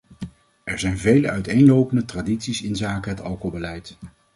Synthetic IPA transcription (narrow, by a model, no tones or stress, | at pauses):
ʔɛɹzɛjnvejləʔœɥtejnlowpəndətraːditsisɪnzaːkəɦətɑ̰lˠkolˠbəlɛjt